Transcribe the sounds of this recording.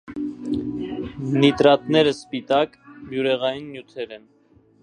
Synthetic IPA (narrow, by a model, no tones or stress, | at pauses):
nit̪ɾɑt̪nɛɾəspit̪ɑk | mjuɾɛʁɑjinːjut̪ʰɛɾɛn